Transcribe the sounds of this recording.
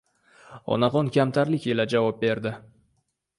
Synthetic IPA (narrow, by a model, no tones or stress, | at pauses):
ɒ̰naʁɒnkʲamt̪ʰaɾlɪkʲe̞lad͡ʒavɒp̚be̞ɾd̪ɪ